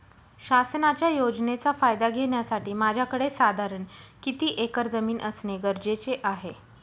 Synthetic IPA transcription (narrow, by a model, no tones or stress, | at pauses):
ɕasnat͡ɕjajod͡ʑnet͡safajd̪aɡʱeɳjasaʈiːmad͡ʑʱjakəɽesad̪ʱaɾəɳkit̪iːʔekəɾd͡zəmiːnʔəsneɡəɾd͡ʑet͡seʔaɦe